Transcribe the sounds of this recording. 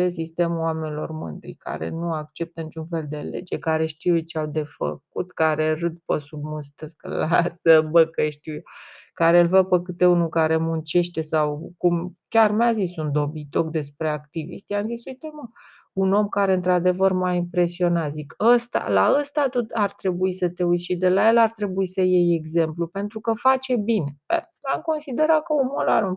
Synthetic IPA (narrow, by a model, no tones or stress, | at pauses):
esist̪emuwamenilo̞rmɨ̰nd̪ɾḭka̰ɾe̞̰nuakt͡ʃe̞p̚t̪ənit͡ʃunfe̞ld̪e̞le̞̰d͡ʒe̞kaɾe̞ʃt̪iwet͡ʃeawd̪e̞fə̰k̚ut̪kaɾe̞rɨd̪̚pəsubmust̪əskə̰lasəbəkəʃt̪iw | kaɾe̞ɨlvəpəkɨt̪e̞unukaɾe̞munt͡ʃe̞ʃt̪e̞sawkumkʲarmazisund̪o̞bit̪okd̪e̞spɾe̞akt̪ivḭst̪ijamzisujt̪emə | uno̞mkaɾe̞ɨnt̪ɾad̪e̞vərmaimpɾe̞sio̞nat̪zikəst̪a̰laəst̪at̪ut̪art̪ɾe̞buisət̪e̞ujʃid̪e̞laje̞lart̪ɾe̞buisəjeje̞ɡze̞mplupe̞nt̪ɾukəfat͡ʃe̞bine̞bḛ | amko̞nsid̪e̞ɾakəumolaɾum